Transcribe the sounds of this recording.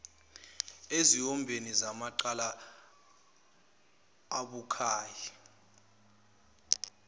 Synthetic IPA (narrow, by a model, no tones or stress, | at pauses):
eziɔmbʱenizamaǃala | ɓukʰaːji